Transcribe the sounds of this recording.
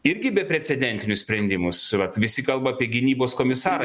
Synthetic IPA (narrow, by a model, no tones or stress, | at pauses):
ɪɾʲɡʲɪbʲɛpʲɾʲɛsʲɛd̪ʲɛnʲt̪ʲɪnʲʊsʲpʲɾʲɛnʲd̪ʲɪmʊsʋɐt̪ʋʲɪsʲɪkɐlˠbɐːpʲiɛɡʲɪnʲiːboːskoːmʲɪsɑːɾ